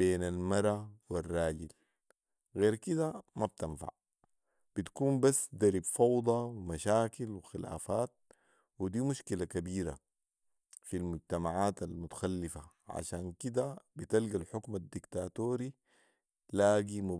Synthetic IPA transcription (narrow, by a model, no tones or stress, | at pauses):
beːnalmɑɾˤɑwirˤːɑːɟil | ɣeːɾkid̪amab̚t̪anfa̰ʕ | b̥it̪ḁkuːmbasːd̪aɾibfɑwd̪ˤɑwimaʃaːkilwixila̰ːfaːt̪̚ | wid̪iːmuʃkilakabiːɾa̰ | filmuɟt̪amaʕaːt̪almut̪ḁxalːifaʕa̰ʃaːnkid̪abit̪alɡalħʊkmad̪ːikt̪aːt̪oːɾi | laːɡimu